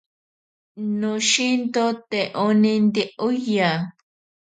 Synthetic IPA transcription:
nõʃint̪ot̪eʔonĩnd̪iʔuja

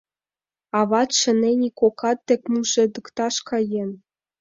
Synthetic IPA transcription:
ɑβɑt̪ʃə̆nenʲikokɑt̪ːĕk̚ʲmuʃĕd̪əkt̪ɑʃkɑjen

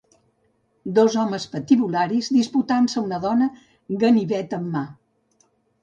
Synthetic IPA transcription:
d̪ɔzɔməspət̪iβulaɾizðisput̪ansəunəðɔnə | ɣəniβɛt̪əmːa

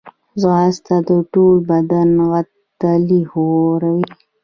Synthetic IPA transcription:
zɣɑst̪ad̪əʈolbad̪anɣat̪ː | alihoɾawi

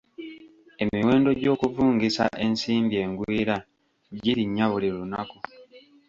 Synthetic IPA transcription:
e̞miwe̞ːndo̞ɟo̞ːkuvuːŋɡisa̰ʔe̞nsiːmbie̞ːŋɡwiːɾa | ɟiɾiɲːaβulilunaku

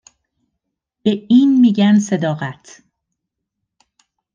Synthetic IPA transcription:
b̥eiːnmiːɟænse̞d̪ɒːɣæt̪ʰ

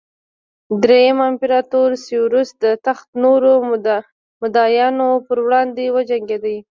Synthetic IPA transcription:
d̪ɾejamaɪmpeɾɑt̪oɾsewɾust̪̚d̪ət̪axt̪noɾo | mʊd̪ɑjɑnopəɾwɽɑnd̪ewəd͡ʒaŋɡed̪aj

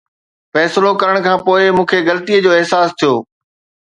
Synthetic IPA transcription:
fɛːslokɐɾəɽ̃kʰãːpoːɪmũːkʰeɣɐlət̪ijəd͡ʑoːɪɦsaːst̪ʰijoː

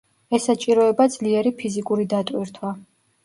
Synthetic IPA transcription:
ɛsat͡ʃʼiɾɔɛbad̪z̥liɛɾipʰizikʼuɾid̪at̪ʼwiɾt̪ʰwa

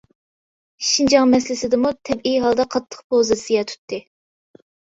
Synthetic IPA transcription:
ʃind͡ʒɑŋmɛslɪsɪd̪ɪmut̪ʰɛbijɦɑlˠd̪ɑqʰɑt̪ʰːə̥χpʰozɨsɨjɛt̪ʰy̥t̪ʰːɨ

